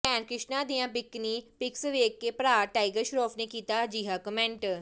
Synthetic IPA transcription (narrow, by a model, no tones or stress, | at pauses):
pɛːnkɾɪʃnãːd̪ijãːpɪkːniːpɪksʋeːkːeːpɾaːʈaːiɡəɾʃɾoːpʰneːkiːt̪aːd͡ʒiːɦaːkəmɛ̃ɳʈ